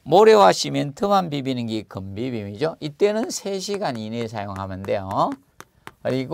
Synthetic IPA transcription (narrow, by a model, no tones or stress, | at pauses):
moɾewaɕʰimjʌntʰɯmanbibinɯnɡikɯmbibimid͡ʑoit͈e̞nɯnsʰe̞ɕʰiɡaninesʰajoŋɦamɯndejo̰ | kɯɾiɡ